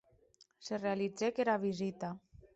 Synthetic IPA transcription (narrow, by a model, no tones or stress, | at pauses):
serealid͡zekeɾaβizit̪a